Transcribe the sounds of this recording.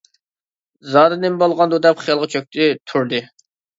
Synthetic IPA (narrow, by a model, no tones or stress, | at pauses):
zɑɾɨnɪmbɑlˠʁɑnd̪ud̪ɛpχijɑlˠʁɑt͡ʃʰøk̚ʲt̪ʰɪt̪ʰuɾd̪ɨ